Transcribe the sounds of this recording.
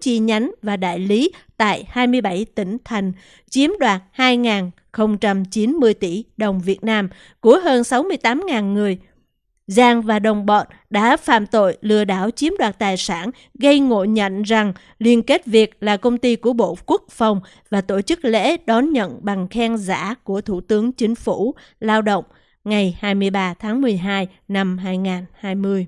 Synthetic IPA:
t͡ɕi˧ɲa˨˦jŋvaː˨˩ɗa̰ː˧˨jli˨˦t̪a̰ː˧˨jhaː˧jmɨ˧əjɓa˧˩jt̪ï˧˩ŋ̟t̪ʰa˨˩jŋ̟ | t͡ɕi˨˦əmɗwaː˨˩t̚haː˧jŋaː˨˩n | xə˧wŋ͡mt͡ɕa˧mt͡ɕi˨˦nmɨ˧əjt̪ḭ˧˩ɗə˨˩wŋ͡mvi˨˩ət̚naː˧m | ku˨˧˥əɦəː˧nsa˨˦wmɨ˧əjt̪aː˨˦mŋaː˨˩nŋɨ˨˩əj | zaː˧ŋvaː˨˩ɗə˨˩wŋ͡mɓɔ˨˩t̚ | ɗa̰ː˧˥fa̰ː˧˨mt̪o̰˧˨jlɨ˧˩əɗaː˧˩wt͡ɕi˨˦əmɗwaː˨˩t̚t̪aː˨˩jsaː˧˩n | ɣə˧jŋo̰˧˨ɲə̰˧˨nza˨˩ŋ | li˧ənke˦˥t̚vi˨˩ək̚laː˨˩kə˧wŋ͡mt̪i˧ku˧˩əɓo̰˧˨ku˦˥ək̚fa˨˩wŋ͡m | vaː˨˩t̪o˧˩t͡ɕɨ˦˥k̚lḛ˧˥ɗɔ˨˦nɲə̰˧˨nɓa˨˩ŋxɛ˧ŋza̰ː˧˥ku˧˩ət̪ʰu˧˩t̪ɨ˨˦əŋt͡ɕï˨˦ŋ̟fu˧˩ | laː˧wɗo̰˧˨wŋ͡m | ŋa˨˩jhaː˧jmɨ˧əjɓaː˧t̪ʰaː˨˦ŋmɨ˨˩əjɦaː˧j | na˧mɦaː˧jŋaː˨˩nhaː˧jmɨ˧əj

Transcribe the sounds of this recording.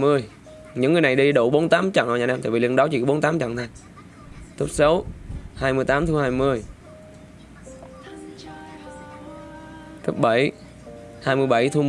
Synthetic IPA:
mɨ˧əj | ɲɨ̰˧˥ŋːɨ˨˩jna˨˩jɗi˧ɗo˧˩ɓo˨˦nt̪aː˨˦mt͡ɕɔ̰˧˨ʔə˧wɲaː˨˩naː˧t̪a̰ː˧˩i˨lɨ˧˩ŋɗɔ˨˦t͡ɕḭ˧˩kːɔ˨˦ɓo˨˦nt̪aː˨˦mt͡ɕɔ̰˧˨nt̪ʰa˧˩ŋ | t̪u˦˥p̚sə˨˦whaː˧jmɨ˧əjt̪aː˨˦mt̪ʰu˧haː˧jmɨ˧əj | k̪ə˦˥p̚ɓə˧˩j | haː˧jmɨ˧əjɓə˧˩jt̪ʰu˧

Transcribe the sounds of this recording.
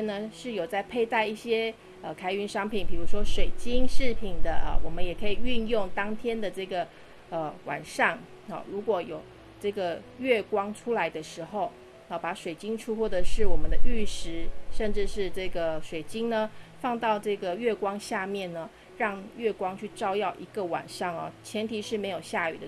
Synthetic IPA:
nə˧ʂɻ̩˥˩jo˨˩ʊt͡sa˥˧ɪpʰe˥˧ɪt̪a˥˧ɪi˥˩ɕjɛ˥ | ə˨˩kʰa˥ɪy˧˥nʂɑ˥ŋpʰi˨˩npi˨˩ɻu˧˥ʂwɔ˥ʂwe˨˩ɪt͡ɕi˥ŋʂɻ̩˥˩pʰi˨˩nd̪ə̰˦ə̰˩wɔ˨˩mə˦njɛ˨˩kʰɤ˧˥i˨˩y˥˧njʊ˥˩ŋt̪ɑ˥ŋt̪ʰjɛ˥nd̪ə˨ʈ͡ʂɤ˥˩ɡə˩ | ə˧wa̰˨˩nʂɑ˥˩ŋ | ə̰˨˩ɻu˧˥kwɔ˧˥jo˨˩ʊ | ʈ͡ʂɤ˥˩ɡə˩ɥɛ˥˩kwɑ˥ŋʈ͡ʂʰu˥la˧˦ɪd̪ə˧ʂɻ̩˧˥xo˥˩ʊ | ə˧˩pa˧˥ʂwe˨˩ɪt͡ɕi˥ŋʈ͡ʂʰu˥xwɔ˥˩də˧˩ʂɻ̩˥˩wɔ˨˩mə˨˦nd̪ə˧y˥˩ʂɻ̩˧˥ʂə˥˧nʈ͡ʂɻ̩˥˧ʂɻ̩˥˧ʈ͡ʂɤ˥˩ɡə˩ʂwe˨˩ɪt͡ɕi˥ŋnə˨fɑ˥˧ŋt̪ɑ˥˧ʊʈ͡ʂɤ˥˩ɡə˩ɥɛ˥˩kwɑ˥ŋɕja˥˧mjɛ˥˩nnə˩ | ɻɑ˥˧ŋɥɛ˥˩kwɑ˥ŋt͡ɕʰy˥˩ʈ͡ʂɑ˥ʊjɑ˥˩ʊʔi˧˥ɡ̥ə˧wa̰˨˩nʂɑ˥˩ŋə̰˨˩t͡ɕʰjɛ˧˥nt̪ʰi˧˥ʂɻ̩˥˩me˧˥ɪjo˨˩ʊɕja˥˩y˨˩ə˦

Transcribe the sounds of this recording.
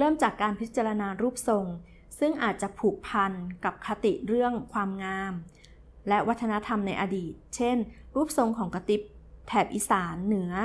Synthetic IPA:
ɾɤː˥˩mt͡ɕaː˨˩kːaː˧npʰi˦˥t̪̚t͡ɕa˧ɾa˧naː˧ɾuː˥˩p̚so˧ŋ | sɯ˥˩ŋʔaː˨˩t̪̚t͡ɕa˨˩pʰuː˨˩k̚pʰa˧nka˨˩p̚kʰa˧t̪i˨˩ʔɾɯ˥˩əŋkʰwaː˧mŋaː˧m | lɛ˦˥wa˦˥t̪ʰːa˧na˦˥t̪ʰa˧mna˧jʔa˧diː˨˩t̪̚t͡ɕʰe˥˩nɾuː˥˩p̚so˧ŋkʰɔː˩˦ŋka˧t̪i˦˥p̚t̪ʰɛː˨˩p̚ʔiː˧˩saː˩˦nːɯ˩˦ɐ

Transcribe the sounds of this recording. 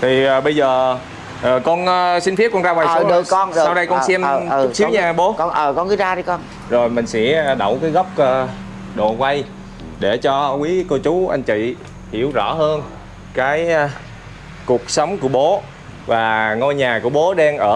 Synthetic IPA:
t̪ʰi˨˩ʔəː˨˩ɓə˧jzəː˨˩ | ʔəː˨˩kɔ˧nʔsï˧n̟fʰi˦˥kɔ˧nzaː˧wa˨˩˧ɗɨ˨˧nsa˧wɗə˧jkɔ˧nsɛ˧mː˧ə˨˩si˦ɲaː˧˩ɓo˨˦knʔəː˨˩kɔ˧nkɨ˨˦zaː˧ɗi˧kɔ˧n | zo˨˩jmï˨˩ŋ̟sɛ̰˧˥ɗə˧˩wkaː˨˦jɣə˦˥wp̚əː˧ | ɗo˨˩kwa˧j | ɗe˧˩t͡ɕɔ˧kwi˨˦ko˧t͡ɕu˨˦ʔa˧jŋ̟t͡ɕḭ˧˨ | hi˧˩əwzɔ˧˩ɦəː˧n | kaː˨˦j | ku˨˩ək̚sə˨˦wŋ͡mku˧˩əɓo˨˦ | vaː˨˩ŋo˧jɲaː˨˩ku˧˩əɓo˨˦ɗɛ˧ŋʔəː˧˩

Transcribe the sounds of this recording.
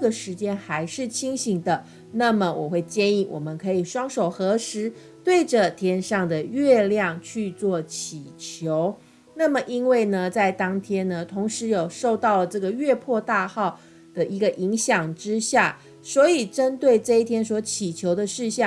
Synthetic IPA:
ə˥˩ɡə˨ʂɻ̩˧˥t͡ɕjɛ˥nxa˧˥ɪʂɻ̩˥˩t͡ɕʰi˥ŋɕi˧˥ŋd̪ə˧ | na˥˩mə˨˩wɔ̰˨˩xwe˥˩ɪt͡ɕjɛ˥˧ni˥˩wɔ̰˨˩mə˦nkʰɤ˧˥i˨˩ʂwɑ˥ŋʂo˨˩ʊxɤ˧˥ʂɻ̩˧˥ | t̪we˥˩ɪʈ͡ʂə˨t̪ʰjɛ˥nʂɑ˥˩ŋd̪ə˩ɥɛ˥˧ljɑ˥˩ŋt͡ɕʰy˥˧t͡swɔ˥˩t͡ɕʰi˨˩t͡ɕʰjo˧˥ʊ | na˥˩mə˨ʔi˥nwe˥˩ɪnə˩t͡sa˥˩ɪt̪ɑ˥ŋt̪ʰjɛ˥nnə˨t̪ʰʊ˧˥ŋʂɻ̩˧˥jo˨˩ʊʂo˥˧ʊt̪ɑ˥˩ʊlə˩ʈ͡ʂɤ˥˩ɡə˩ɥɛ˥˧pʰwɔ˥˧t̪a˥˧xɑ˥˩ʊ | d̪̥ə˩ʔi˧˥ɡə˨ʔi˧˥ŋɕjɑ˨˩ŋʈ͡ʂɻ̩˥ɕja̰˥˩ | swɔ˧˥i˨˩ʈ͡ʂə˦˥nt̪we˥˩ɪʈ͡ʂɤ˥˧i˥t̪ʰjɛ˥nswɔ˧˥t͡ɕʰi˨˩t͡ɕʰjo˧˥ʊd̪ə˧ʂɻ̩˥˧ɕjɑ˥˩

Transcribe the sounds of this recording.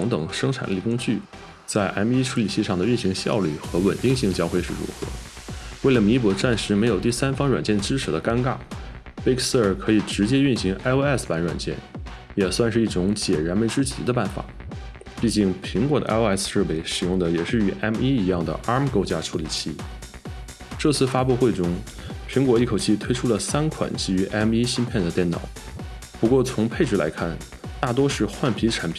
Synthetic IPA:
ʊ˧˥ŋt̪ɤ˨˩ŋʂɤ˥ŋʈ͡ʂʰa̰˨˩nli˥˩kʊ˥ŋt͡ɕy˥˩ | t͡sa˥˩ɪʔɛ˥mi˥ʈ͡ʂʰu˧˥li˨˩t͡ɕʰi˥˧ʂɑ˥˩ŋd̪ə˩y˥˩nɕi˧˥ŋɕjɑ̰˥˧ʊly̰˥˩xɤ˧˥wə̰˨˩nt̪i˥˧ŋɕi˥˩ŋt͡ɕjɑ˥ʊxwe˥˧ɪʂɻ̩˥˩ɻṵ˧˥xɤ̰˧˥we˥˩lə˩mi˧˥p̬ɔ˧˥ʈ͡ʂa˥˩nʂɻ̩˧˥me˧˥ɪjo˨˩ʊt̪i˥˩˧sa˥nfɑ˥ŋɻwa̰˨˩nt͡ɕjɛ˥˩nʈ͡ʂɻ̩˥ʈ͡ʂʰɻ̩˨˥˩d̪ə˧˦ka˥nka̰˥˩ | pe˥kʰs̩˥ə˞˨˩kʰɤ˧˥i˨˩ʈ͡ʂɻ̩˧˥t͡ɕjɛ˥y˥˩nɕi˧˥ŋʔa˥ɪo˥˧ɛ˥˩spa˧˥nɻwa̰˨˩nt͡ɕjɛ̰˥˩n | jɛ˨˩swa˥˧nʂɻ̩˥˧i˥˩ʈ͡ʂʊ˧˥ŋt͡ɕjɛ˨˩ɻa˧˥nmə˧˥nʈ͡ʂɻ̩˥t͡ɕḭ˧˥d̪ə˧p̬a˥˩nfa̰˨˩˦ | pi˥˧t͡ɕi˥˩ŋpʰi˧˥ŋkwɔ˧˥˩d̪ə̰˧ʔa̰˥˧o˥ɛ˥˩sʂɻ̩˥˩pe˧˥ɪʂɻ̩˨˩jʊ˥˩ŋd̪ə˩jɛ˨˩ʂɻ̩˥˩y˨˩ʔɛ˥mi˥i˧˥jɑ˥˩ŋd̪ə̰˩ʔɑ˥m˨ko˥ʊt͡ɕja˥ʈ͡ʂʰu˧˥li˨˩t͡ɕʰi˥˩ | ʈ͡ʂɤ˥˧t͡sʰɹ̩˥˩fa˥pu˥˧xwe˥˩ɪʈ͡ʂʊ˥ŋ | pʰi˧˥ŋkwɔ˧˥i˥˩kʰo˨˩ʊt͡ɕʰi˥˩t̪ʰwe˥ɪʈ͡ʂʰu˥lə˨sa˥nkʰwa̰˨˩nt͡ɕi˥˩y˧˥ʔɛ˥mi˥ɕi˥npʰjɛ˥˩nd̪ə˩t̪jɛ˥˩nɑ̰˨˩˦ʊ | pu˧˥kwɔ˥˩t͡sʰʊ˧˥ŋpʰe˥˧ɪʈ͡ʂ̩˥˩la̰˧˥ɪkʰa˥˩n | t̪a˥˩t̪wɔ˥ʂɻ̩˥˧xwa˥˩npʰi˧˥ʈ͡ʂʰa˧˥npʰi˨˩˦

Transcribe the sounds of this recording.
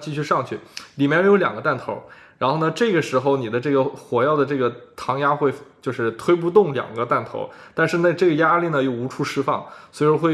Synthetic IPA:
t͡ɕi˥˧ɕy˥˧ʂɑ˥˧ŋt͡ɕʰy˥˩li˨˩mjɛ˥˩njo˥˧jo˧˥ʊjɑ˨˩ŋɡə˦t̪a˥˩nt̪ʰo˧˥ʊ | ɻa˧˥nxo˥˩ʊnə˩ʈ͡ʂɤ˥˩ɡə˩ʂɻ̩˧˥xo˥˧ʊni˨˩d̪ə˦ʈ͡ʂɤ˥˩ɡə˩xwɔ˧˥jɑ˥˩ʊd̪ə˩ʈ͡ʂɤ˥˩ɡə˩t̪ʰɑ˧˥ŋja˥xwe˥˩ɪt͡ɕjo˥˧ʊʂɻ̩˥˩t̪ʰwe˥ɪp̬u˥˧t̪ʊ˥˩ŋljɑ̰˨˩ŋɡə˦t̪a˥˩nt̪ʰo̰˧˥ʊt̪a˥˧nʂɻ̩˥˧na˥˧ʈ͡ʂɤ˥˩ɡə˩ja˥li˥˩nə˩jo˥˩ʊu˧˥ʈ͡ʂʰu˥˩ʂɻ̩˥fɑ̰˥˩ŋswi˧˩ɔ˥˧xwe˥˩ɪ

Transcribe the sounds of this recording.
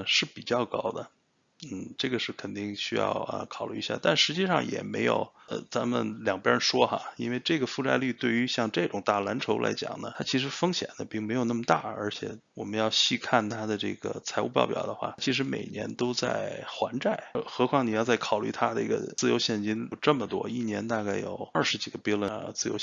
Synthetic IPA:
ʂɻ̩˥˩pi˨˩t͡ɕjɑ˥˩ʊkɑ˥ʊd̪ə˨ | n̩˥˩ʈ͡ʂɤ˥˩ɡə˩ʂɻ̩˥˩kʰə˨˩nt̪i˥˩ŋɕy˥jɑ̰˥˧ʊə̰˧kʰɑ˨˩ʊly̰˥˩˧ɕja̰˥˩t̪a˥˩nʂɻ̩˧˥t͡ɕi˥˧ʂɑ̰˥˩ŋjɛ̰˨˩me˧˥ɪjo̰˨˩ʊə˧˩t͡sa˧˥nmə̰˨nljɑ˨˩ŋpjɛ˥ə˧˥nʂwɔ˥xa̰˧˩i˥nwe˥˧ɪʈ͡ʂɤ˥˩ɡə˩fu˥˧ʈ͡ʂa˥˧ɪly˥˧t̪we˥˩ɪy˧˥ɕjɑ˥˧ŋʈ͡ʂɤ˥˩ʈ͡ʂʊ˨˩ŋt̪a˥˩la˧˥nʈ͡ʂʰo˧˥ʊlʔa̰˧˥ɪt͡ɕjɑ̰˨˩ŋnə̰˦t̪ʰa˥t͡ɕʰi˧˥ʂ̬ɻ̩˧˥fɤ˥ŋɕjɛ̰˨˩nd̪ə̰˦pi˥˩ŋme˧˥ɪjn˥˩mə˩t̪a̰˥˩ə̰˞˧˥t͡ɕʰjɛ˨˩wɔ˨˩mə˦njɑ˥˧ʊɕi˥˧kʰa˥˩nt̪ʰa˥d̪ə˨ʈ͡ʂɤ̰˥˩ɡ̥ə̰˩t͡sʰa˧˥ɪṵ˥˧pɑ˥˧ʊpjɑ̰˨˩ʊd̪ə˦xwa̰˥˩t͡ɕʰi˧˥ʂ̬ɻ̩˧˥mḛ˨˩ɪnjɛ̰˧˥nt̪o˥ʊt͡sa̰˥˩ɪxwa˧˥nʈ͡ʂa˥˩ɪxɤ˧˥kʰwɑ˥ŋni˨˩jɑ˥˧ʊt͡sa˥˩ɪkʰɑ˨˩ʊly̰˥˩t̪ʰa˥d̪ə˧˥i˧˥ɡə̰˧t͡sɹ̩˥˩jo˧˥ʊɕjɛ˥˩nt͡ɕi˥n˨˩ʈ͡ʂə˥˩mə˩t̪wɔ̰˥i˥˩njɛ˧˥nt̪a˥˧ka˥˩ɪjo̰˨˩ʊə˞˥˩ʂɻ̩˧˥t͡ɕi˨˩ɡə˧˦pɛ˥lwə˧t͡sɹ̩˥˩jo̰˧˥ʊ

